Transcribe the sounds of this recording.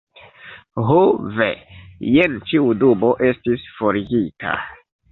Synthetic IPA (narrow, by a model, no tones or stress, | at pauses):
ɦovḛjent͡ʃiuduboʔe̞stisfoɾiɡita̰